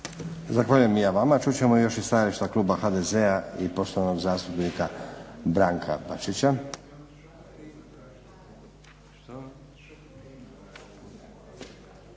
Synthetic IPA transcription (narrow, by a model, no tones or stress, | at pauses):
zaxʋaʎuje̞mjaʋamat͡ʃuːt͡ɕe̞mojo̞ʃist̪ajaliʃt̪akluːbaxad̪eze̞aipo̞st̪oʋano̞ɡzaːst̪upnikabɾaːŋkʰa̰baʃit͡ɕa